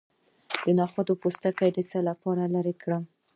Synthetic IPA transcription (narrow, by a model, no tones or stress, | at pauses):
d̪̥ənɑxwad̪opost̪akajd̪ət͡salapɑɾalaɾekɽa